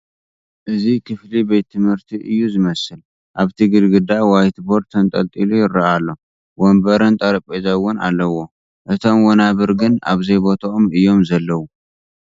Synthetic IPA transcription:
ʔɨzikʰɨflibet̪ʰːɨmhɨɾt̪ʰiʔɨjːuzɨmɐsɨl | ʔaβt̪ʰiɡɨlɡɨd̪awajt̪bo̞ɾt̪ʰɐnt̪ʼɐlt̪ʼilujɪɾːɐʔalːo̞ | wombɐɾɐnt̪ʼɐɾɐpʼezawʊna̰lːɐwo̞ | ʔɨt̪ʰo̞mwɔnaβɨɾɡɨna̰βzɐjbo̞t̪ʰaʔomɨjːo̞mzɐlːɐwu

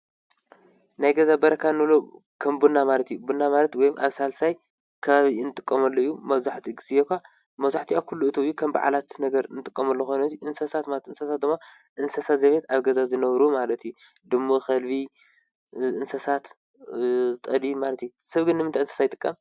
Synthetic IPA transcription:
najɡɐzabɐɾɐkʰanɨβlo | kʰɐmbunːamalɐt̪jubunːamalɐt̪wɔjmʔa̰βsalsaj | kʰɐβaβinɨt̪ʼɨkʼːɐmɐlːoɨjːumɐβzaħt̪ʰiɡɨzekʷʰa | mɐβzaħt̪ʰiakʰulːuɨt̪ʰɐjːukʰɐmba̰ʕa̰lat̪nɐɡɐɾnɨt̪ʼɨkʼːɐmɐlːoxojnɐt̪iʔɨnsɐsat̪malt̪ʔɨnsɐsat̪̚d̪ɨmːa | ʔɨnsɐsat̪zɐβe̞t̪aβɡɐzazɨnɐβɾumalɐt̪ju | d̪ɨmːoxɐlbi | ʔɨnsɐsat̪ | t̪ʼɐd̪imalɐt̪jusɐβɡɨnːɨmɨnt̪ajɨnsɐ̥sajɨt̪ʼɨkʼːɐm

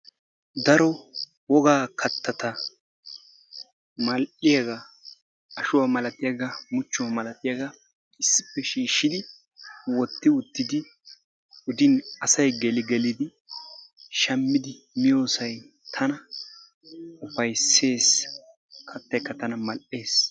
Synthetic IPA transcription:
d̪ɐɾɔ | wɔɡaːkʰɐt̪ːɐt̪ɐ | mɐlʔɪjɐɡɐ | ɐʃʊwɐmɐlɐt̪ɪjɐɡɐmʊt͡ʃːʊwɐmɐlɐt̪ɪjɐɡɐ | ɪsːɪ̥pːɛʃiːʃːɪd̪ɪ | wɔt̪ːɪʊt̪ːɪd̪ɪ | ʊd̪ɪnɐsɐjɡɛlɪɡɛlɪd̪ɪ | ʃɐmːɪd̪ɪ | mɪjo̞ːsɐj | t̪ʰɐnɐ | ʊfɐjsːe̞ːs | kʰɐt̪ːɐjkːɐt̪ɐnɐmɐlʔe̞ːs

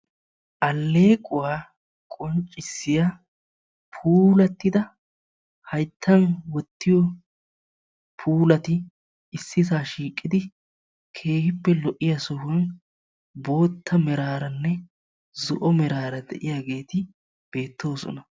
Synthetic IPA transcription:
ʔɐlːe̞ːkʼʊwaː | kʼɔnt͡ʃʼːɪsːɪja | pʰuːlɐt̪ːɪd̪ɐ | hɐjt̪ʰːɐnwɔt̪ːɪjɔ | pʰuːlɐt̪ɪ | ɪsːɪsaːʃiːkʼːɪd̪ɪ | kʰe̞ːhɪpːɛlɔʔːɪjasʊhɐn | bo̞ːt̪ːɐmɛɾaːɾɐnːɛ | zʊʔɔmɛɾaːɾɐd̪ɛ̰ʔɪjaːɡe̞ːt̪ɪ | b̥e̞ːt̪ːo̞ːsɔ̰nɐ

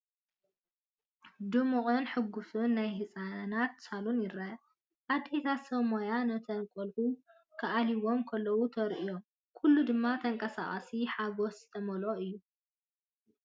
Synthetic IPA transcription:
d̪ɨmuqʼɨnħɨɡːusunːajɦɨsʼanat̪salunjɪɾɐ | ʔad̪et̪ʰasɐmojanɐt̪ʰɐnkʼolħu | kʰɐʔaliwo̞mkʰɐlːɐwut̪ʰɐɾʔijom | kʰulːud̪ɨmːat̪ʰɐŋkʼɐsa̰χʼɐ̰siħaɡo̞szɨt̪ʰɐmɐloɨjːu

